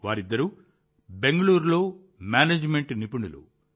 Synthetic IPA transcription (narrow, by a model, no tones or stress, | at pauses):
ʋaːɾid̪ːɐɾu | be̞ŋɡɐɭuːɾlo̞ː | maːneːd͡ʒme̞ɳʈnipuɳulṵ